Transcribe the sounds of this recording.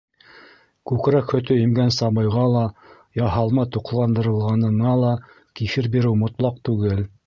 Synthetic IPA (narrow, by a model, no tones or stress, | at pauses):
kʉkɾækhɵ̆t̪ɵimɡænsɑbɤ̆jʁɑlˠɑ | jɑɦɑlˠmɑt̪uqlˠɑnd̪ɤ̆ɾɤ̆lˠʁɑnɤ̆ɴɑlˠɑ | kifɘɾbiɾɘwmŏt̪lˠɑq̚t̪ʉɡɘl